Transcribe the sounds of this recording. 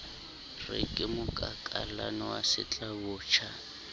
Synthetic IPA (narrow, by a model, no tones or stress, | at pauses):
rɪ̰kʼɪmʊkʼakʼalanɔwasɪt͡ɬʼabʊːt͡ʃʰa